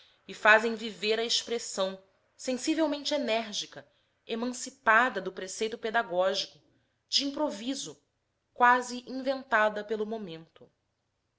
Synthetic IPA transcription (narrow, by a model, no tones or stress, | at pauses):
ɪfazẽj̃viveɾɐeʃpɾesɐ̃w̃ | sẽsivewmẽnt͡ʃɪenɛɾʒikɐ | emɐ̃sipad̪ɐd̪ʊpɾesejt̪ʊped̪aɡɔʒikʊ | d͡ʒɪĩpɾovizʊ | kwaziʔĩvẽnt̪ad̪ɐpelʊmomẽnt̪ʊ